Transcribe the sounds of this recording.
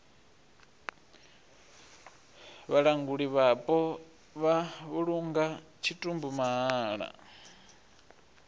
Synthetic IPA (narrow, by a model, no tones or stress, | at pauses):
βaɺaŋɡuɺiβapʼɔ | βaβuɺuŋɡa | t͡ʃʰitʼumbumaɦaːɺa̰